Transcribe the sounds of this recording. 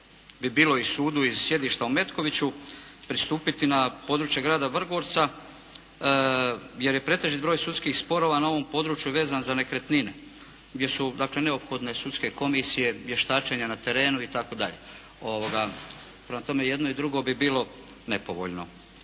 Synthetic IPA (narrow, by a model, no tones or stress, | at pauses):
bibiːlo̞isuːd̪uizsje̞d̪iːʃt̪aume̞t̪ko̞ʋit͡ɕu | pɾist̪uːpit̪inapo̞ːd̪ɾut͡ʃjeɡɾaːd̪aʋr̩ɡoɾt̪sa | je̞ɾje̞pɾe̞t̪e̞ʒit̪bɾojsut̪skixspo̞ɾo̞ʋanao̞ʋo̞mpo̞d̪ɾuːt͡ʃjuʋe̞ːzanzane̞kɾe̞t̪nine | ɡd̪ʲje̞sud̪akle̞ne̞o̞pxo̞d̪ne̞sut̪ske̞ko̞misije̞jeʃt̪aːt͡ʃeɲanat̪e̞ɾe̞ːnuit̪ako̞d̪a̰ʎḛ | o̞ʋoɡa | pɾe̞mat̪o̞me̞je̞d̪no̞id̪ɾuɡo̞bibiːlo̞ | ne̞po̞ʋo̞̰ʎno̞̰